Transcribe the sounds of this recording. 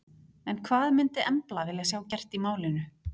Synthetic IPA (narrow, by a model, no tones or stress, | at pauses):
ɛnkʰvaːðmɪnt̪ɪɛmplavɪːljasjaːwcɛr̥t̪imaːwlɪnʏ